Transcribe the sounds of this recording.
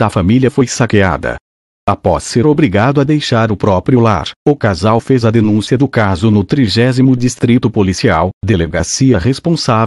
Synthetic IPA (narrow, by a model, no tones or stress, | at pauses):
d̪ɐfamiljɐfojsakea̰d̪ɐ̰ | apɔ̰sːeɾobɾiɡad̪ʊɐd̪ejʃaɾʊpɾɔpɾiʊla̰ɾʊkazawfezɐd̪enũsiɐd̪ʊkazʊnʊt̪ɾiʒɛzimʊd͡ʒist̪ɾit̪ʊpolisiawd̪eleɡasiɐʁespõsav